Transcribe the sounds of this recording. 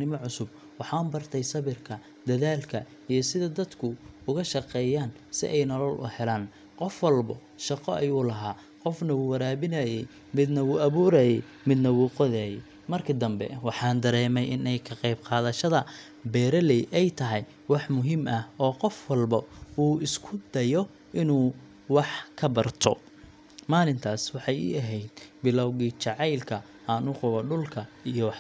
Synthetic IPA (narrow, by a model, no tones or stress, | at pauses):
nɪmɔʕʊsʊb̚ | wɑħɑːmbɐrt̪ʰɛjsɐβɪrkʰɐ | d̪ɐðaːlkʰɐ | ijɞsɪðɐd̪ɐd̪kʰʊʊɣɐʃɑqɛːjaːn | sɪ̰ʔɛjnɔlɔlʔʊ̰hɛlaːn | qɔfwɐlbɐ | ʃɑqɔʔɐjuːlɐɦaː | qɔfnɐwuːwɐɾaːβɪnaːjɛj | mɪd̪nɐwuːʔɐβuːɾaːjɛj | mɪd̪nɐwuːqɔðaːjɛj | mɐrkʰɪd̪ɐmbɛ̰wɑħɑːnd̪ɐɾɛːmɛjʔɪnɛjkʰɐqɑjbqɑːðɐʃɐðɐ | bɛːɾɐlɛjʔɛjt̪ʰɐɦɛj | wɑħmʊɦimʔɐhɔːqɔfwɑlbɐuːɪskʰʊd̪ɐjɔ | ʔɪnuː | wɑħkʰɐbɐrt̪ʰɔ̰ | maːlɪnt̪ʰaːswɑħɑjḭɐɦɛjd̪bɪlɔwɣiːt͡ʃɑʕɑjlkʰɐ | ʔɐnʊqʊβɐɖʊlkʰɐ | ijɔwɑħ